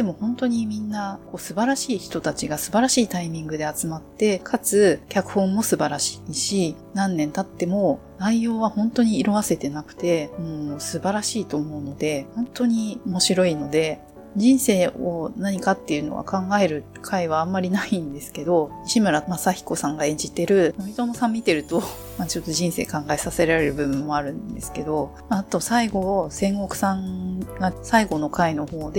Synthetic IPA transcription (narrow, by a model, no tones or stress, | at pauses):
d̪emo̞hõ̞nt̪o̞ɲ̟imʲĩnːako̞ːsɨbaɾaɕiːçi̥t̪o̞t̪at͡ɕiɡasɨbaɾaɕiːt̪aimʲĩŋɡɯ̟d̪e̞at͡sɨmat̪ːe̞kʰat͡sɨkʲakɯ̟̥hõ̞mːo̞sɨbaɾaɕi̥ːɕinãnːẽ̞nt̪at̪ːe̞mo̞ | naijo̞ːβahõ̞nt̪o̞ɲ̟iːɾo̞βase̞t̪e̞nakɯ̟̥t̪e̞mɯ̃oːsɨbaɾaɕiːt̪o̞ːmo̞ɯ̟no̞d̪e̞hõ̞nt̪oɲ̟iomo̞ɕiɾo̞ino̞d̪e̞ | d͡ʑĩɰ̃se̞ːonaɲ̟ikat̪ːe̞jɯ̟no̞̰ɡa̰kʰãŋɡae̞ɾɯ̟ | kʰaiβ̞aːmːaɾʲinaĩnd̪e̞sɨ̥ke̞d̪o̞ɕimɯ̟ɾamasaçi̥ko̞sãŋɡaẽ̞ɲ̟d͡ʑit̪e̞ɾɯ̟noit̪o̞nosãmʲːit̪e̞ɾɯ̟t̪o̞ | maːt͡ɕo̞t̪ːo̞ʑĩɰ̃se̞̰ːkãŋɡae̞sase̞ɾaɾe̞ɾɯ̟bɯ̟bɯ̟̃mːo̞aɾɯ̟̃nd̪e̞sɨ̥ke̞d̪o̞ | at̪o̞saiɡo̞sẽ̞ŋɡo̞kɯ̟̥sãŋɡasaiɡo̞nokaino̞ho̞ːd̪e